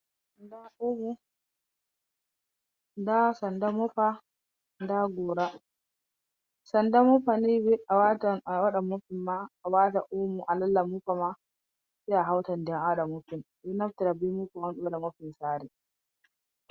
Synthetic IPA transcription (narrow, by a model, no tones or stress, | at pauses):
ndaʔumu | dasɐndamʊɸa | ndaɡoːɾa | sɐndamʊɸanibiʔawatwaɗɐmːʊɸɪmːaːwataʔumuʔalɐlːamuɸama | siaɦawtɐndɛŋʔaɗamʊɸɪnbinaftɪɾabimuɸawanɗudamɔɸɪnsaːɾi